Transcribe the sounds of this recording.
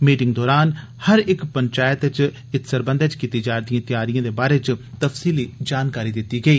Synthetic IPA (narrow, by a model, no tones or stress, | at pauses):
miːʈɪŋɡd̪ɔːɾaːn | həɾɪkpəɲt͡ʃaːjət̪ɪt͡ʃ | ɪt̪səɾbə̃nd̪t͡ʃkiːt̪iːd͡ʒaːɾd̪ɪijãːt̪ɪjaːɾijãːd̪eːbaːɾeːt͡ʃt̪əfsiːliːd͡ʒaːnkaːɾiːd̪ɪt̪ːiːɡəiː